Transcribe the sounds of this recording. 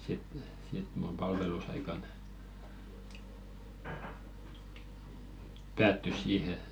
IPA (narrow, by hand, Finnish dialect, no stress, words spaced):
sit sit mum pɑlʋelusɑikɑn pæːtːys siːhe